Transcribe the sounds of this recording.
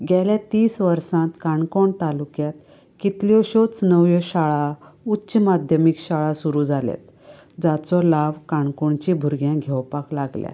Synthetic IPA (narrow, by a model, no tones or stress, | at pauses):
ɡʱjajljat̪iːsʋəɾsãt̪kaɳkɔɳt̪alukjat̪ | kit̪ljɔɕɔt͡snəʋjɔɕaɭautːɕmad̪ʱjəmikɕaɭasuɾud͡zʱalɛ̰t̪ | d͡zat͡sɔlaʋkaɳkɔɳt͡ɕĩbʱuɾɡjãɡʱɛwpaklaɡlja̰